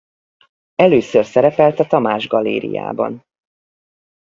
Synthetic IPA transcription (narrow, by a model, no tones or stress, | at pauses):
ɛløːsørsɛɾɛpɛlt̪ɛt̪ɒmaːʒɡɒleːɾḭja̰ːbɒ̰n